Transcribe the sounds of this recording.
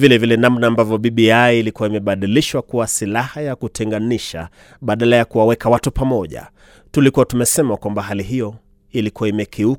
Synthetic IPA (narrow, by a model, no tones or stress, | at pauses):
vilɛvilɛnamnaːmbavjɔɓiɓiaːlikuaimɛɓaɗiliʃwakuwasilahajakutʰɛŋɡaniʃa̰ | ɓaɗalajakuwawɛkawatupamɔʄa̰ | tulikuatumɛsɛmakwambaɦaliɦijɔ | ilikuwaimɛkʰiuk